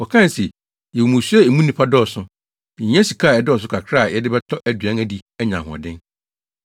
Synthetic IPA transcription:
wɔ˨kʰã˦n˨sɛ˨ | jɛ˨wo˨mũ˨su˦ɛ˦e˨mũ˦nĩ˦pʰa˦dɔː˦˨sʊ̃˦ | ĩ˨˦ɛ̃˦si˨kʰa˦˨ɛ˨dɪ˦ɔ˨s̬ʊ˦kʰa˨kʰɾa˦˨jɛ˨dɪ˦bɛ˦tʰɔ˦ʔæ˦dɥã˦næ˨di˨ɛ˦ɲã˨ɦɔ̰˨dɪ̃˦n

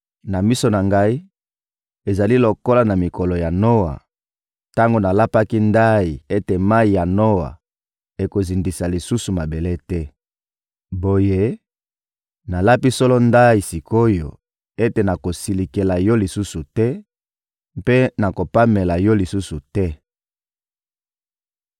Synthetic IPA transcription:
na˨mi˦so˨na˨ŋɡa˦i˦ | e˨za˨li˦lo˨ko˦la˦na˨mi˨ko˨lo˨ja˨no˦wa̰˨ | ta˦ŋɡo˨na˨la˦pa˦ki˦nda˦i˨e˦te˨ma˦i˨ja˨no˦wa̰˨ | e˨ko˨zi˨ndi˨sa˨li˨su˦su˨ma˨be˨le˦tɛ˦ | bo˨je˦ | na˨la˦pi˦sɔ˦lɔ˦nda˦i˨si˨kʰo˦jo̰˨ | e˦te˨na˨ko˨si˨li˨ke˨la˨jɔ˦li˨su˦su˨tɛ˦ | mpe˦na˨ko˨pa˦me˨la˨jɔ˦li˨su˦su˨tɛ˦

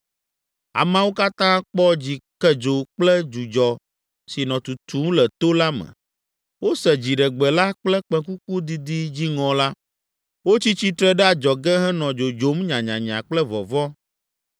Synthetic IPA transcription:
a̰˨mã˦wo˦ka˦t̪ã˦k͡pɔ˦d͡ʑi˨kɛ˦d͡ʒo˨k͡plɛ˦d͡ʒu˨d͡ʒɔ˨ | si˨nɔ̃˨t̪u˨t̪ʰu˨˦ŋlɛ˨t̪o˦la˦mɛ̰̃˨ | wo˦sɛ˨d͡ʑi˨ɖɛ˨ɡ͡bɛ˨la˦k͡plɛ˦k͡pɛ̃˨ku˦ku˦d̪i˦d̪i˦d͡ʑi˦ŋɔ̃˨la˦ | wo˦t͡ɕi˦t͡ɕi˦t̪ɾɛ˦ɖɛ˦a˨d͡ʒɔ˨ɡɛ˦ɦɛ˦nɔ̃˨d͡ʒo˨d͡ʒo˨˦mɲã˨ɲã˨ɲã̰˨k͡plɛ˦vɔ̰˨vɔ˦

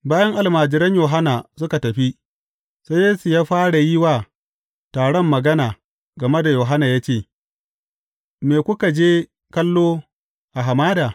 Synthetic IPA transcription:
baː˦jɐ˦ŋʔa˨lmaː˨d͡ʒɪ˨ɾɐ˦ɲjoː˨ɦa˦naː˨sʊ˦ka˨tɐ˨ɸi˦ | sa˦jeː˦su˨jaː˦ɸaː˦ɽa˨ji˦waː˨ | taː˨ɽɔ˦mːɐ˨ɡɐ˦naː˨ | ɡɐ˨me˦da˨joː˨ɦa˦naː˨jaː˦t͡ʃeː˦˨ | meː˨kʷʊ˦ka˨d͡ʒeː˦ | kɐ˦lːoː˦ | ʔa˨ɦa˨maː˦daː˨

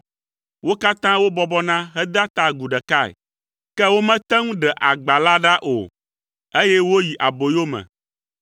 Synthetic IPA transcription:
wo˦ka˦t̪ã˦wo˦bɔ˦bɔ˦nã˦ɦɛ˦d̪a˦t̪a˨ɡu˨ɖɛ˨ka˦˨ɛ̰˨ | kɛ˦wo˦mɛ̃˦t̪ɛ˦ŋũ˦ɖɛ˨ʔa˨ɡ͡ba˨la˦ɖa˦ʔo̰˨ | e˦jɛ˦wo˦ji˨ʔa˨bo˨jo˦mɛ̰̃˨

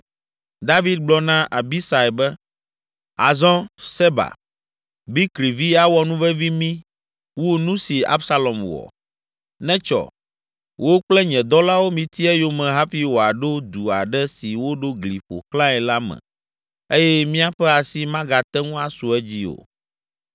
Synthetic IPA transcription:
d̪a˦vi˦d̪̚ɡ͡blɔ˦nã˦ʔa˨bi˦sa˨ɛ˨bɛ˦ | a̰˨zɔ̃˦sɛ˦ba̰˨ | bi˦kɾi˨vi˦a˨wɔ˦nũ˦vɛ˦vi˦mĩ˦ | wu˦o˦nũ˦si˨a̰˦bsa˦lɔ˨mwɔ̰˨ | nɛ̃˦t͡ʃɔ̰˨ | wʔo˦k͡plɛ˦ɲɛ̃˨d̪ɔ˦la˦wo˦mĩ˨t̪i˦ɛ˦jo˦mɛ̃˨ɦa˦fi˦wo˨a˨ɖo˦d̪u˨a̰˨ɖɛ˦si˨wo˦ɖo˦ɡli˨ɸo̰˨klã˦ɛ˨la˦mɛ̰̃˨ | e˦jɛ˦mĩ˦a˦ɸɛ˦a˨si˦mã˦ɡa˨t̪ɛ˦ŋũ˦a˨su˨ɛ˦d͡ʑi˦o̰˨

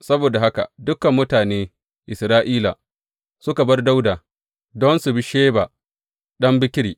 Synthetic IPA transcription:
sɐ˦boː˨da˨ha˦ka̰˨dʊ˦kɐ˨mːʊ˦taː˨neː˦ | ʔɪ˨sɾaː˦ʔiː˦la̰ː˨ | sʊ˦ka˨bɐ˦rda˦wdaː˨ | dɔ˦nsʊ˨bi˦ʃeː˦baː˨ | ɗɐ˦mbɪ˦kʲɪ˦ɾiː˨

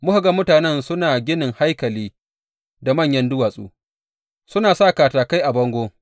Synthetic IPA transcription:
mʊ˦ha˨ɡa˨mʊ˦taː˨nɛ˦nsʊ˦naː˨ɡʲɪ˦nɪ˨ŋha˦jkɐ˨liː˦ | da˨mɐ˦ɲjɐ˦ndʊ˦waː˨sʼṵː˦ | sʊ˦naː˨saː˦˨kaː˨taː˨ka˦jʔa˨bɐ˦ŋɡʷoː˦

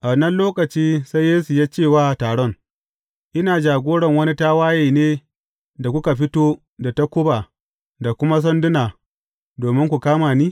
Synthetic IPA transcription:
ʔa˨nɐ˦nloː˦kɐ˨t͡ʃiː˦sa˦jeː˦su˨jaː˦t͡ʃeː˦˨waː˦˨taː˨ɽɔ˦ŋ | ʔɪ˦naː˨d͡ʒaː˨ɡʷoː˦ɽɐ˨ŋwɐ˦ni˦ta˦waː˦jeː˨neː˦ | da˨kʷʊ˦ka˨ɸɪ˦toː˦ | da˨ta˦kʷʊ˦ba˨ | da˨kʷʊ˦ma˦s̬ɐ˦ndʊ˦naː˨ | doː˨mɪ˦ŋkʷu˨kaː˦maː˨niː˦

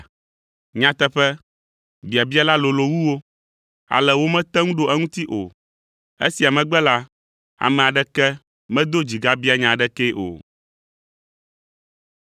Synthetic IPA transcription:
ɲã˨t̪ɛ˦ɸɛ˦ | bi˨a˨bi˦a˦la˦lo˨lo˨wu˦wo˦ | a̰˨lɛ˨wo˦mɛ̃˦t̪ɛ˦ŋũ˦ɖo˨ʔɛ˦ŋũ˦t̪i˦ʔo̰˨ | ḛ˦si˨a˨mɛ̃˨ɡ͡bɛ˦la˦ | a̰˨mɛ̃˨a˨ɖɛ˦kɛ˦ | mɛ̃˦d̪o˦d͡ʑi˨ɡa˦bi˦a˦ɲã˨ɖɛ˦kɛ˦ʔo̰˨

